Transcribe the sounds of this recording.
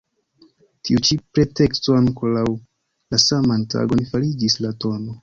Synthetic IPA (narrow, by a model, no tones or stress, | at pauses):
tiut͡ʃipɾe̞te̞kstoaŋko̞law | lasamantʰa̰ɡo̞nfaɾid͡ʒislato̞no̞